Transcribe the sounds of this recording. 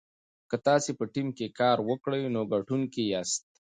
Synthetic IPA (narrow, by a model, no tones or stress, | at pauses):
kət̪ɑːsepəʈimkekɑɾwəkɽəjnoɡaʈunkejast̪̚